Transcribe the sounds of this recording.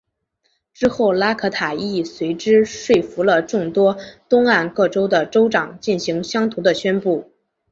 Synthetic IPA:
ʈ͡ʂɻ̩˥xo˥˩ʊla˥kʰɤ˥t̪ʰa˨˩i˥˩swe˧˥ɪʈ͡ʂɻ̩˥ʂwe˥˩ɪfu˧˥lə˧ʈ͡ʂʊ˥˩ŋt̪wɔ˥t̪ʊ˥ŋa˥˧nkɤ˥˩ʈ͡ʂo˥ʊd̪ə˨ʈ͡ʂo˥ʊʈ͡ʂɑ˨˩ŋt͡ɕi˥˩nɕi˧˥ŋɕjɑ˥ŋt̪ʰu˧˥d̪ə˧ɕɥɛ˥npu˥˩

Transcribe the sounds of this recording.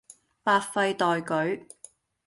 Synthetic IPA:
paː˧t̚fɐ˧jt̪ɔː˨jkɵ˨˥ɥ

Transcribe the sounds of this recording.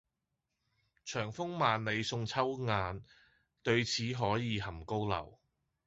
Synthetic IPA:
t͡ʃʰœː˨˩ŋfʊ˥ŋmaː˨˧nle˨˧jsʊ˧ŋt͡sʰɐ˥wŋaː˨˧n | t̪ɵ˧ɥt͡sʰiː˨˥ɦɔː˨˥jiː˨˧ɦɐ˨˩mko˥wlɐ̰˨˩w

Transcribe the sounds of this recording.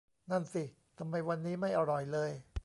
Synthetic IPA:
na˥˩nsi˨˩ | t̪ʰa˧mːa˧jwa˧nːiː˦˥ma˥˩jʔa˧ɾɔ˨˩jlɤː˧j

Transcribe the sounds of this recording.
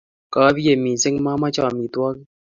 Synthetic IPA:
kaː˨˦bi˦je˨miː˨sɪ˦ŋma˦ma˦t͡ʃaː˨mi˨t̪wa˦k

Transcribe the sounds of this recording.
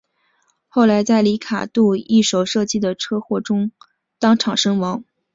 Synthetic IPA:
xo˥˩ʊla˧˥ɪt͡sa˥˩ɪli˧˥kʰa̰˨˩t̪u˥˧i˥˩ʂo˨˩ʊʂɤ˥˧t͡ɕi˥˩d̪ə˩ʈ͡ʂʰɤ˥xwɔ˥˩ʈ͡ʂʊ˥ŋ | t̪ɑ˥ŋʈ͡ʂʰɑ˨˩ŋʂɤ˥ŋwɑ˧˥ŋ

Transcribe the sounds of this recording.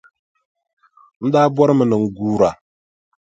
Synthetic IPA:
n̩˦daː˦bɔ˦ɾɨ˦mɨ˨nɨ˨ŋ̩˨ɡuː˦ɾa˨

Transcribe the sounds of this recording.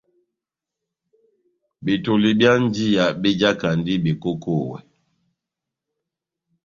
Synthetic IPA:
bi˨tu˨li˨bja˦n˦di˦ja˨bi˦d͡ʒa˦ka˨n˦di˦bi˨ko˦ko˦˨wɛ̰˨

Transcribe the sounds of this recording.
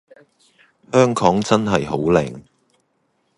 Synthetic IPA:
hœː˥ŋkʰɔː˨˥ŋt͡sɐ˥nɦɐ˨jɦo˨˥wlɛ̰˨˩ŋ

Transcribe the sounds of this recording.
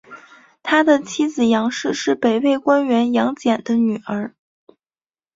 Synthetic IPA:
t̪ʰa˥d̪ə˨t͡ɕʰi˥d͡zɹ̩˨˩jɑ˧˥ŋʂɻ̩˥˧ʂɻ̩˥˩pe˨˩ɪwe˥˩ɪkwa˥nɥɛ˧˥njɑ˧˥ŋt͡ɕjɛ˨˩nd̪ə˦ny˨˩ə˞˧˥

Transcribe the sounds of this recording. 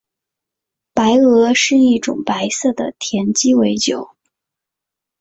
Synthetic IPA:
pa˧˥ɪɤ˧˥ʂɻ̩˥˧i˥˩ʈ͡ʂʊ̰˨˩ŋpa˧˥ɪsɤ˥˩d̪ə̰˩t̪ʰjɛ˧˥nt͡ɕi˥we˧˥ɪt͡ɕjo˨˩˦ʊ

